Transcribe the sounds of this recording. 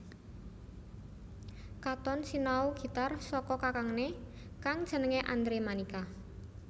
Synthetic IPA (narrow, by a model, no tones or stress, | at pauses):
kat̪ɔnsinauɡ̥i̤t̪arsɔkɔkakaŋne | kaŋd̥ʒ̥ə̤nəŋeʔa̰nd̪ɾemanika